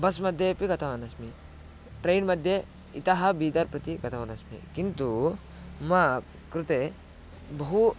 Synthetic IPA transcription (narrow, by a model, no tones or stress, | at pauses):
bɐsmɐd̪ʱjepiɡɐt̪ʰɐʋɐnɐsmi | ʈɾeːjnmɐd̪ʱje | it̪ɐɦɐbiːd̪ɐɾpɾɐt̪iɡɐt̪ʰɐʋɐnɐsmḭkint̪u | mɐ | kɾut̪e | bɐɦu